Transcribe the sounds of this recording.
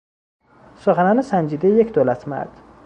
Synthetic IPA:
soχanɒnɪsand͡ʒid̪ejekʲd̪olat̪ʰma̰ɾd̪̥

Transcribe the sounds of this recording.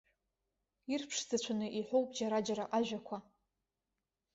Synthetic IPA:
irpʰʂzat͡ɕʷʰanɨʔiħʷowpʼd͡ʒaɾad͡ʒaɾaʔaʒᶣakʷʰa

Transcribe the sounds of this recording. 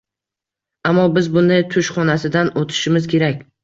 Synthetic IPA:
amːɒbɪzbʊnɪt̪ʰʊʃχɒnasɪd̪anot̪ʰɪ̥ʃɪmɪzkʲe̞ɾakʲ

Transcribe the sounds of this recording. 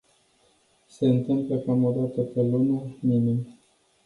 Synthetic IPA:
se̞ɨnt̪ɨmpləkamod̪at̪əpelonuminim

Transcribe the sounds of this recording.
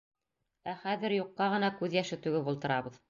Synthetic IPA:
æχæðɘ̆ɾjuqːɑʁɤ̆nɑkʉðjæʃɘt̪ʉɡɘbulˠt̪ɤ̆ɾɑβɤð

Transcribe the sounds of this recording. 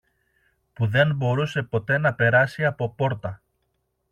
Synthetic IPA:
puðe̞mbo̞ɾuse̞po̞t̪e̞nɐpe̞ɾɐsiɐpo̞po̞ɾt̪ɐ

